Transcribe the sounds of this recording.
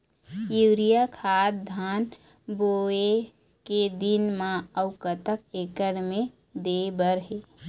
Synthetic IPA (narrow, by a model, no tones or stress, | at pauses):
juːɾijakʰaːt̪̚d̪ʱaːn | boe | ked̪inmãəʊkət̪əkeːkəɽmẽ | d̪ebəɾɦeː